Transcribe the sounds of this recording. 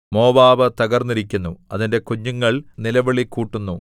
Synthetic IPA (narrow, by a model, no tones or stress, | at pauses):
mo̞ːbaːʋɐt̪ɐɣɐrnːiɾikʲːunːuɐðinde̞kuɲːuŋːɐɭnilɐʋɐɭikːuːʈːunːu